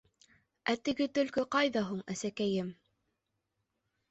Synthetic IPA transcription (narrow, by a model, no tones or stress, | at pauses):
æt̪ɘ̆ɡɘt̪ɵ̆lkɵqɑjðɑɦuɴæ̰sækæjɘm